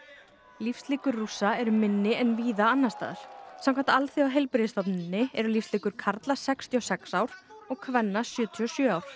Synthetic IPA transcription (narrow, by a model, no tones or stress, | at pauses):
lifst̪liːkʏɾːusːaɛɾʏmɪnːɪʔɛnviːðaanːast̪a̰ːðʏɾ̥samkʰvant̪aalθiawɦejlpɾɪðɪst̪ɔpnɪnːɪɛɾʏlifst̪liːkʏɾ̥kʰaɾt̪lasɛkst̪ʰiɔsɛksaːwɾ̥ɔɣkʰvɛnːasjœːt̪ʰiɔsjœːaːwɾ̥